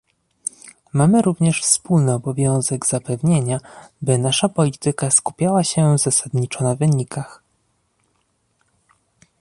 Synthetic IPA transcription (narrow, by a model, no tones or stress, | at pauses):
mamɘɾuvɲɛʂfspulnɘɔbɔvʲjɔ̃w̃zɛɡz̥apɛvɲeɲabɘnaʂapɔlʲit̪ɘkaskupʲjawaɕɛvzasad̪ɲit͡ʂɔnavɘɲikʰax